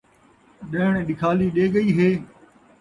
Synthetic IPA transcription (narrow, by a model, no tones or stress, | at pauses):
ɗəɦɪɽɗɪkʰaːliːɗeːɡəiːɦeː